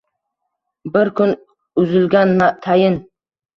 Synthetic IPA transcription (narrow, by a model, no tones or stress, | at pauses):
bɪɾkʰʊn | ʊzɪlɡʲanmat̪ʰajɪn